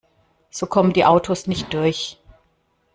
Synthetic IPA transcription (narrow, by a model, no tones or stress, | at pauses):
z̥oːkʰɔməndiːʔaʊtʰosnɪçt̚d̥ʊɐç